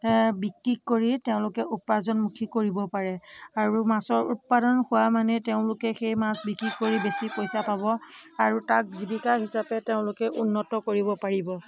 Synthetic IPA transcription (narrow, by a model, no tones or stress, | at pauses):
bikɹikːoɹiteʊ̃lʊkɛʔupazɔnmukʰikoɹibɔpaɹɛaɹumasɔɹṵt̚padɔnxʊwamanɛteʊ̃lʊkɛxejmasbikɹikːoɹibesipojsapabɔaɹutak̚zibikaɦisapɛteʊ̃lʊkɛʔunːɔtɔkoɹibɔpaɹibɔ